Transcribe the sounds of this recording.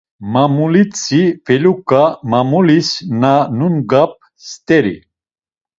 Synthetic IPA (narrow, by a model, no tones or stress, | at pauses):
mamulit͡sʰʼivɛlukʼamamulisnanunɡap̚ | st̪ʼɛɾḭ